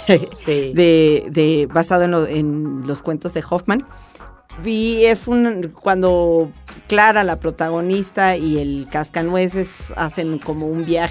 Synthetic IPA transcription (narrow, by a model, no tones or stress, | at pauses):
siðeðeβasaðoenenlo̞skwe̞nt̪o̞zðe̞xofmãn | biesunkwand̪o̞klaɾalapɾo̞t̪aɣ̞o̞nist̪aie̞lkaskanwe̞s̬esa̰se̞nko̞mo̞umbjax